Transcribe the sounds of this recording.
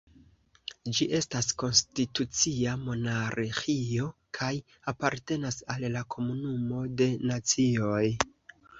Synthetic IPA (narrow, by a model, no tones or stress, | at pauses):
d͡ʒiʔe̞stasko̞nstitut͡siamo̞naɾxio̞kʰaj | apaɾte̞nasallakʰo̞munumo̞de̞nat͡sio̞j